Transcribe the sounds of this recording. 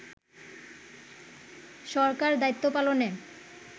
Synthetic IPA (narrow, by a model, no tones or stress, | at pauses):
ʃɔɾkaɾd̪ajt̪ːopalone